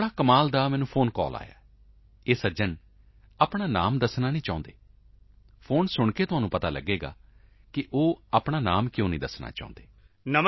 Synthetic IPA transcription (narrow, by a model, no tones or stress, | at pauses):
ɽaːkəmaːld̪aːmɛ̃ːnũːpʰoːnkɔ̰ːla̰ːja̰ː | eːsəd͡ʒən | aːpɽaːna̰ːmd̪əsnaːnĩːt͡ʃaːʊ̃nd̪eː | pʰoːnsʊɳkeːt̪ʊɦaːnũːpət̪aːlə̰ɡeːɡa̰ː | kɪʔoːaːpɳ̃aːnaːmkjõːnĩːd̪əsna̰ːt͡ʃa̰ːʊ̃nd̪eː | nəm